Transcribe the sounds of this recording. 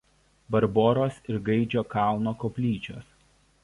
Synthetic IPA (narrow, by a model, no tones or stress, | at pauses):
bɐɾboːɾoːsɪɾɡɐɪd͡ʒʲoːkɑˑlˠnoːkoːpʲlʲiːt͡ʃʲoːs